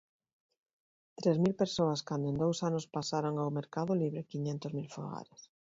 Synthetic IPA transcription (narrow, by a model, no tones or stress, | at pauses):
t̪ɾezmilpeɾsoɐskand̪ʊẽnd̪owsanʊspasaɾoŋawmeɾkaðʊliβɾɪkiɲent̪ʊzmilfo̰ɣa̰ɾes